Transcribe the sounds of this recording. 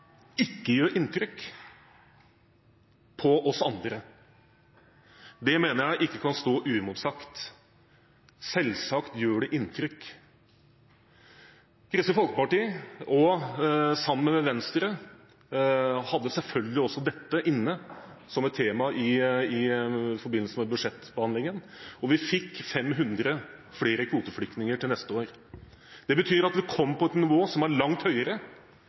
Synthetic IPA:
ɪkːəjøːɾʔɪnt̪ɾʏk | pʰɔʔɔsɑnd̪ɾə | d̪ɛmeːnəjæɪʔɪkːəkʰɑnst̪oːʔʉːɪmʊt̪sɑkt̪ | sɛlsɑkt̪jøːɖɛʔɪnt̪ʰɾʏk | kʰɾst̪əfɔlkəpɑʈiːɔ | sɑmːənmɛʋɛnst̪ɾə | hɑd̪ːəsɛlfœlɡəlɪɔsːɔd̪ɛt̪ːəʔɪnːə | sɔmɛt̪ʰːeːmɑʔɪɪfɔɾbɪnːəlsəmɛbʉd̪ʂɛt̪ːbəhɑnd̪lɪŋən | ɔʋɪfɪkːfɛmːɦʉnd̪ɾəfɽeːɾəkʰʋuːt̪əfɽʏk̚t̪nɪŋəʈɪlnɛst̪əoːɾ | d̪̥ɛbət̪ʰyːɾɑt̪ʋɪkʰɔmːpʰɔɛt̪nɪʋoːsɔmæɾɭɑŋt̪hœʏəɾə

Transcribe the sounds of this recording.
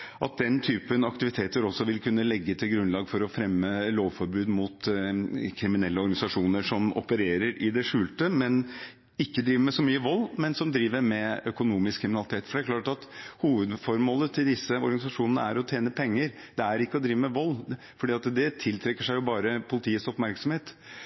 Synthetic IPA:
ʔɑt̪̚d̪ɛnt̪ʰyːpənɑkt̪ɪʋɪt̪ʰeːt̪əɾɔsːɔʋɪlkʰʉnːəlɛɡːət̪ʰɪlɡɾʉnlɑːɡfɔɾɔfɾɛmːəloːʋfɔɾbʉːd̪mʊt̪ | kʰɾɪmɪnɛlːəɔɾɡɑnɪsɑʂuːnəʂɔmɔ̰pəɾeːɾəɾɪd̪ɛʂʉːlt̪əmɛn | ɪkːəd̪ɾiːʋəɾmɛsɔmyːəʋɔlːmɛnsɔmd̪ɾiːʋəɾmɛœkʊnuːmɪskʰɾɪmɪnɑlɪt̪ʰeːt̪fɔɖɛæɾkʰlɑːʈɑt̪huːʋəd̪fɔɾmɔːlət̪ʰɪld̪ɪsːəɔ̰ɾɡɑnɪsɑʂuːnənə̰æɾɔt̪ʰjeːnəpʰɛŋːəɾ | d̪ɛæɾɪkːəɔd̪ɾiːʋəmɛʋɔlː | fɔɖiːɑt̪d̪ɛt̪ʰɪlt̪ʰɾɛkːəʂæɪjʊbɑːɾəpʰʊlɪt̪ʰiːət̪sɔpmæɾksɔm̩heːt̪

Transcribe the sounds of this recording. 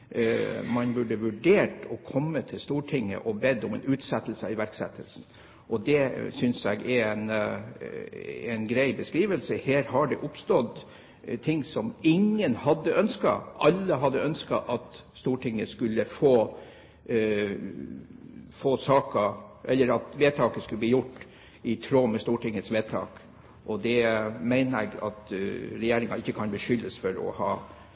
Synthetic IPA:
mɑnbʉɖːəʋʉɖeːʈɔkʰɔmːət̪ʰɪlst̪uːʈʰɪŋːə̰ʔɔbɛd̪ɔmɛ̰nʉːt̪sɛt̪l̩səɪʋæɾksɛ̰t̪ʰːəlsn̩ | ʔɔd̪ɛsʏnsɛ̰ɡɛɛn | æɪnɡɾæɪbəskɾiːʋəlsəheːɾhɑɖɛʔʊpst̪ɔd̪ | t̪ʰɪŋːsɔmɪŋːənhɑd̪ːəʔœnskɑ̰ʔɑlːəɦɑd̪ːəœnskɑ̰ʔɑt̪st̪uːʈʰɪŋːəskʉlːəfoː | foːsɑːkɑʔɛlːəɾɑt̪ʋeːt̪ʰɑːkəskʉləbliːjʊʈː | ɪt̪ʰɾoːmɛst̪uːʈʰɪŋːət̪sʋeːt̪ʰɑ̰ːk | ʔɔd̪ɛmæɪnəɛ̰ɡɑ̰t̪ɾɛjeːɾɪŋɑɪçːəkʰɑnbəʂʏlːəsfɔɾɔ̰hɑː

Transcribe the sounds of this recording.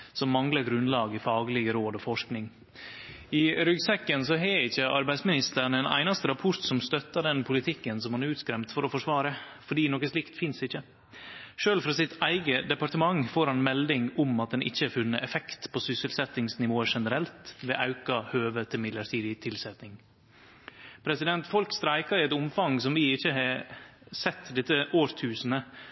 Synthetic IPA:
sɔmːɑŋləɾɡɾʉnlɑːɡəfɑːɡlɪɡəɾoːd̪ɔfɔʂknɪŋ | ɪɾʏɡsɛkːənsɔɦɛɪçːəʔɑɾbæɪsmɪnɪst̪əɳɛnæ̰ɪnɑst̪əɾɑpʰʊɾʈ̪sɔmst̪œt̪ːɑɖɛnpʰʊlɪt̪ʰɪkːənsɔmhɑnæɾʉːt̪skɾɛmt̪fɔɾɔfɔʂʋɑːɾə | fɔɖiːnɔkəslɪkt̪fɪnsɪçːə | ʃøːlfɾɑsɪt̪æɪɡəd̪ɛpɑɾt̪əmɑŋfoːɾhɑnmɛld̪ɪŋʊmɑt̪̚d̪ɛnʔɪ̰çːəæɾfʉnːəʔɛfɛkt̪pʰoːsʏsəlsɛt̪ːɪŋsnɪʋoːəʂɛnəɾɛlt̪ʋɛːʔɑʉkɑhøːʋət̪ʰɪlmɪd̪ləɾʈ̪ʰiːd̪ɪt̪ʰɪlsɛt̪nɪŋ | pʰɾɛsɪd̪ɛnt̪fɔlkst̪ɾæɪkɑɛt̪ʊmfɑŋsɔmʋɪɪçːəhɑ | sɛt̪ːd̪ɪsəʔoːɾt̪ʰʉːsənə

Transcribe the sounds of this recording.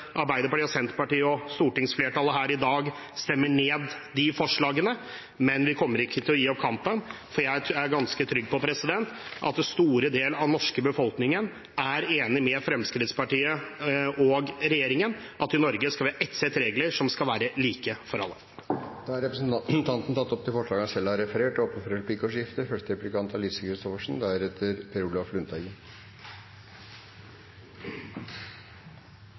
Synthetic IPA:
ʔɑɾbæɪd̪əpɑʈiːɔsɛnt̪əpɑʈiːəɔst̪uːʈɪŋsfleːʈɑləɦæːɾɪd̪ɑːɡ | st̪ɛmːəɳeːd̪ːɪfɔʂɭɑːɡənə | mɛnʋɪkʰɔmːəɾɪkːət̪ʰɪlɔjiːɔp̚kʰɑmpən | fɔɾjæɪæɾɡɑnskət̪ʰɾʏɡ̚ːpɔpʰɾɛsɪd̪ɛnt̪ʔɑ̰t̪̚ːɛst̪uːɾəd̪eːlɑʋnɔʂkəbəfɔlknɪŋən | ʔæɾeːnɪmɛfɾɛmskɾɪt̪spɑʈiːə | ɔɡɾɛjeːɾɪŋənʔɑt̪ːɪnɔɾɡəskɑlʋʔɛt̪sɛt̪ɾeːɡləɾʂɔmskɑlʋæːɾəliːkəfɔɾɑ̰lːə̰ | d̪̥ɑːɑɾɛpɾəsn̩t̪ʰɑnt̪n̩t̪ɑt̪ːɔp̚t̪ʰɪlfɔʂɭɑːɡəɑsɛlɑɾɛfəɾeːʈoːpənfɔɾɛlpikoʂjɪft̪əfœʂʈəɾɛplɪkʰɑnt̪ɑlɪsəkʰɾɪst̪ɔfəʂɳ̩d̪æɾɛt̪ʰːəɾpʰɛɾuːlɑflʉnt̪ʰɑɡə

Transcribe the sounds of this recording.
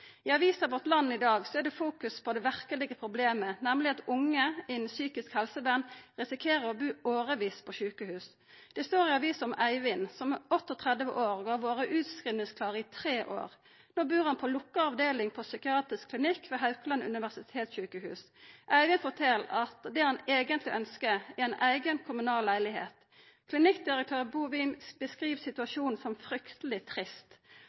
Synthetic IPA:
ɪɑʋiːsɑʋɔʁt̪lɑnːɪd̪ɑːɡsɔæd̪ɛfuːkʉspʰɔd̪ɛʋæʁkəlɪɡəpʰʁʊbleːmənɛmlɪɑt̪ʊŋːəɪnsyːkɪskhɛlsəbænʁɪsɪkʰeːʁəʁɔbʉːoːʁəʋiːspʰɔʃʉːkəhʉːs | d̪̥ɛst̪oːʁɪɑʋiːsɔmæɪʋɪnsɔmɔt̪ːɔt̪ʰʁɛd̪ʋə̰ʔoːʁɡɑːʋoːʁəʔʉːt̪skɾɪlnɪŋskʰlɑːʁəɪt̪ʰʁeːʔo̰ːʁ | noːbʉːʁɑnpʰɔlʊkːəɑʋd̪eːlɪŋpʰɔsʏkɪɑːt̪ʁɪskʰlɪnɪkːʋeɦɑʉklɑnʉ̰nɪʋæsɪt̪ʰeːt̪sɕʉːkəhʉ̰ːs | ʔæɪʋɪnfɔt̪ʰɛlːɑt̪d̪ɛhɑneːɡənt̪lɪʔœnskəæɛɪnʔæɪɡənkʰʊmʉnɑːllːæɪlɪhḛːt̪ | kʰlɪnɪkd̪ɪʁək̚t̪ʰøːʁbuʋɪmbəskʁiːʋsɪt̪ʉɑʃuːnn̩sɔmfɾʏkt̪əlɪt̪ʰʁɪst̪

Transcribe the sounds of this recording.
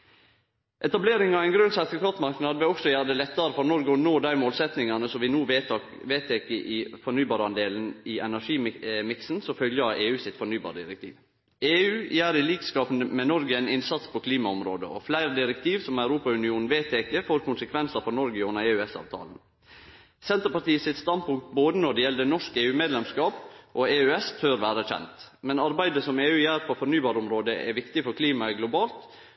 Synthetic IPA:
ʔɛt̪ɑbleːɾɪŋɑʋæɪnɡɾʉnsɑt̪ʰəkʰɑt̪mɑɾknɑd̪ʋɛɔksɔjæːɾd̪əlɛt̪ːɑɾəfɔɾnɔɾɡəɔnoːd̪æɪmoːlsɛt̪nɪŋɑnəsɔmʋɪnuːʋ | ʋeːt̪ʰeːkəʔɪːfɔɳyːbɑːɾəɑnd̪eːln̩ɪʔɛnæʂiːmɪksn̩sɔfœljəeːʉːsɪt̪fɔɳyːbɑ̰ːɾəd̪ɪɾɛk̚t̪ʰḭːʋ | eːʉːjæːɾɪliːkskɑːpənəmɛnɔɾɡəæɪnɪnsɑt̪spʰɔkʰliːmɑɔmɾoːd̪ə̰ʔɔ̰flæɪɾd̪ɪɾɛkt̪ʰiːʋsɔmæʉɾuːpɑʉnɪuːnn̩ʋeːt̪ʰːeːkəfoːɾkʊnsəkʰʋɛnsəfɔnɔɾɡəʊnːəɾeːʉɛsɑ̰ːʋt̪ʰɑ̰ːln̩ | sɛnt̪əɾpɑt̪iːəsɪt̪st̪ɑnd̪̚pʰʊŋk̚t̪̚boːd̪ənɔɖɛjɛld̪ənɔʂkeːʉːmeːd̪lɛmskɑːpʔoːeːʉɛst̪ʰœɾʋæːɾəçɛ̰nt̪ | mɛnɑɾbæɪd̪əsɔmeːʉːjæːɾpʰɔfɔnyːbɑːɾəɔmɾoːd̪əʔɛ̰ʋɪkt̪ɪfɔɾkʰliːmɑɛɡlʊbɑːlt̪

